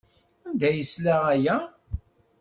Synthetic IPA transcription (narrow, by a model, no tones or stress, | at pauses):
ænd̪æjəslæʁæjæ